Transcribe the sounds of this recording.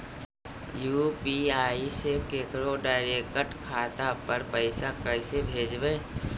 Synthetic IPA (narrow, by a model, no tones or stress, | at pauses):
juːpiaːisekeːkɾoɖaːɪɾekəʈkʰaːt̪apəɾpəɪsakəɪsebʱeːd͡ʒbẽː